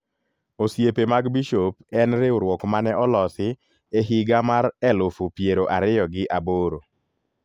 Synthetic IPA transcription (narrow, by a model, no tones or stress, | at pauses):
osjepemaɡbiʃop̚ɛnɾeoɾwɔkmanɛʔɔlɔsɪ | eɦɪɡamaɾɛlʊfupjeɾoʔaɾɪjɔɡɪʔaboɾo